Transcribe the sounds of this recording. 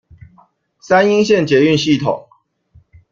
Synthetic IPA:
sa˦ni˦ŋɕjɛ˥˨nt͡ɕjɛ˨˦y˥˨nɕi˥˨t̪ʰo̰˨˩˦ŋ

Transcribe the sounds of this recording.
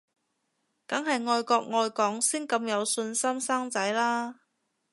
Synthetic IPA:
kɐ˨˥ŋɦɐ˨jŋɔː˨jkɔː˧k̚ŋɔː˨jkɔː˨˥ŋsiː˥nkɐ˧mjɐ˨˧wsɵ˧nsɐ˥msaː˥ŋt͡sɐ˨˥jlaː˥

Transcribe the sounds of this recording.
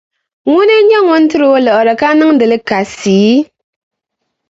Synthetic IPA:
ŋu˦ne˦ɲɛ˦ŋu˦n̩˦tɨ˦ɾo˨˦lɔ˨ʔɔ˨ɾɛ˨ka˦nɨ˦ŋ˦dɨ˨lɨ˦ka˨siː˨˦

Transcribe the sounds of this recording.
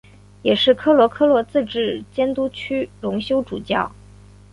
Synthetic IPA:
jɛ˨˩ʂɻ̩˥˩kʰɤ˥lwɔ˧˥kʰɤ˥lwɔ˧˥t͡sɹ̩˥˧ʈ͡ʂɻ̩˥˩t͡ɕjɛ˥nt̪u˥t͡ɕʰy˥ɻʊ˧˥ŋɕjo˥ʊʈ͡ʂṵ˨˩t͡ɕjɑ̰˥˩ʊ

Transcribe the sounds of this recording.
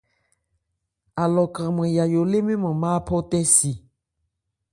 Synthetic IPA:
a˨lɔ˨kɾɛ̃˨mẽ˨ja˨jo˨le˦mĩ˦mẽ˨mã˦˨pʰɔ˦t̪ɛ˦si˨

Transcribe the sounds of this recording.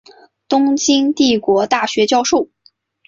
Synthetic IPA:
t̪ʊ˥ŋt͡ɕi˥ŋt̪i˥˩kwɔ˧˥t̪a˥˩ɕɥɛ˧˥t͡ɕjɑ˥˧ʊʂo˥˩ʊ

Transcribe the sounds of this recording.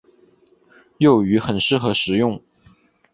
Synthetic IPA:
jo˥˩ʊy˧˥xə˨˩nʂɻ̩˥˩xɤ˧˥ʂɻ̩˨˧˩jʊ˥˩ŋ

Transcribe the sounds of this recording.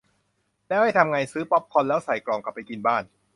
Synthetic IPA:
nɛː˦˥wha˥˩jt̪ʰa˧mŋa˧jsɯː˦˥pɔ˦˥p̚kʰɔ˧nlɛː˦˥wsa˨˩jklɔː˧ŋka˨˩p̚ːa˧jki˧nbaː˥˩n

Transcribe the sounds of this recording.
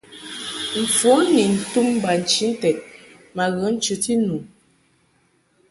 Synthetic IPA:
m̩˨fu˨˦ni˨n̩˨tu˦m˦ba˨n̩˨t͡ʃi˦n̩˦tɛ˨t̚ | ma˨ɣə˨˦n̩˦t͡ʃʉ˨ti˦nu˨

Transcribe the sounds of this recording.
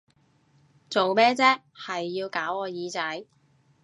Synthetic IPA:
t͡so˨wmɛː˥t͡sɛː˥ | hɐ˨jːiː˧wkaː˨˥wɔː˨˧jiː˨˧t͡sɐ˨˥j

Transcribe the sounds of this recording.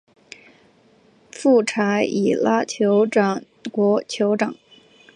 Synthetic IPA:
fu˥˩ʈ͡ʂʰa˧˥ɪi˨˩la˥t͡ɕʰjo˧˥ʊʈ͡ʂɑ˨˩ | kwɔ˧˥t͡ɕʰjo˧˥ʊʈ͡ʂɑ˨˩˦ŋ

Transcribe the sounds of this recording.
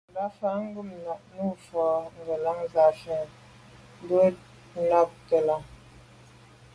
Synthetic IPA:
la˦fa˨˦ŋ̩˦ɡu˦˨mna˨ʔnu˦˨fɔ˨ŋ˨ɡə˨la˦ŋza˨fɛ˨ | n˦du˦ | na˦˨p̚tə˨la˨

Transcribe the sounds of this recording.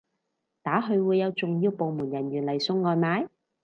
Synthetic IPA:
t̪aː˨˥ɦɵ˧ɥwuː˨˧jːɐ˨˧wt͡sʊ˨ŋjiː˧wpo˨wmuː˨˩njɐ˨˩nɥyː˨˩nlɐ˨˩jsʊ˧ŋːɔː˧nmaː˨˥j

